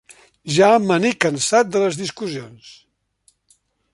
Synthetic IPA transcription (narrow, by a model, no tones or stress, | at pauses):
ʒamənikənsat̪̚d̪ələzðiskuzions